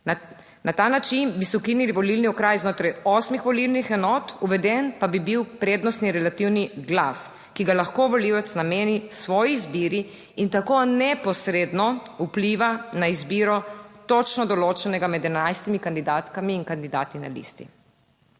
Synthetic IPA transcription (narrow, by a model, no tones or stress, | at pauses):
nat̪anat͡ʃinbisɛukiniliʋɔlilniɔkɾajznoːt̪ɾajɔːsmixʋɔlilnixɛnɔt̪uʋɛd̪ɛnpabibiwpɾeːd̪nɔst̪niɾɛlat̪iwniɡlas | kiɡalaxkoʋɔliwɛt̪snameːnisʋɔːjizbiːɾiː | nt̪akonɛpɔsɾeːd̪nɔupliːʋanaizbiːɾɔt̪ɔt͡ʃnɔd̪ɔloːt͡ʃɛnɛɡamɛd̪ɛnajst̪imikand̪id̪aːt̪kamiːŋkand̪id̪aːt̪ina̰lḭːst̪ḭ